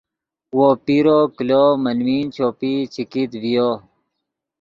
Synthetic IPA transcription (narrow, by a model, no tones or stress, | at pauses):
wopiɾoklomənwiːnt͡ɕʰoːpit͡ɕikit̪vijo